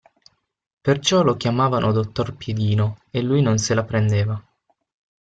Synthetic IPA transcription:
pert͡ʃɔlokʲjamaːvanʔod̪ot̪ːorpjed̪iːnoelːujnonselapɾend̪eːva

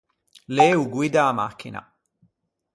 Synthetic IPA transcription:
leːuɡwid̪aːma̰kʰːɪ̰na̰

